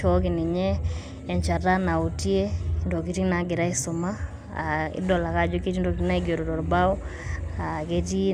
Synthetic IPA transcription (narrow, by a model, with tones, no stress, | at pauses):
ɔ˦k̬i˨ni˨ɲɛ˦ | ɛ˨ɲt͡ʃa˨ta˦na˨u˨ti˦e˦ndo˨k̬i˨ti˦na˨˦ɡɪ˨ɾa˦ɪ˦sʊ˨ma˦ | a˨ɪ̰˦dɔ˨la˨ka˦d͡ʒo˦ke˦ti˦ndo˨ki˨ti˦na˦i˦ɡo˨ɾɔ˨dɔ˨ɾba˦ɔ˦a˨ke˦ti˦